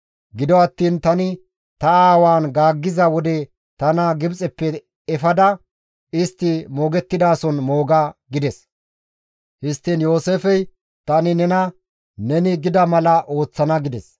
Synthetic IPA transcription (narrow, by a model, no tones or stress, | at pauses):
ɡɪd̪ɔɐt̪ːiːnt̪ɐnɪ | t̪ɐaːwaːnɡaːɡːɪzɐwɔd̪ɛ | t̪ɐnɐɡɪbt͡sʼɛpːɛ | ɛfɐd̪ɐ | ɪst̪ːɪmoːɡɛt̪ːɪd̪aːsɔnmo̞ːɡɐɡɪd̪ɛs | hɪst̪ːɪnjo̞ːseːfɛj | t̪ɐnɪnɛnɐ | nɛnɪɡɪd̪ɐmɐlɐʔo̞ːt͡sːɐnɐɡɪd̪ɛs